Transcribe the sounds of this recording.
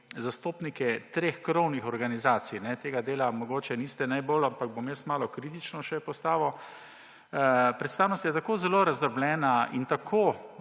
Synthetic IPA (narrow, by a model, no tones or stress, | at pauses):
zast̪oːpnikɛt̪ɾexkɾownixɔɾɡanizaːt̪sijnɛt̪eːɡad̪eːlamɔɡoːt͡ʃɛniːst̪ɛnajbolampaɡ̚bomjɛst̪maːlɔkɾiːt̪it͡ʃnɔʃɛpɔst̪aːʋɔ | pɾɛt̪st̪aːwnost̪jɛt̪akoːzɛloːɾazd̪əɾblɛːnaint̪akʰoː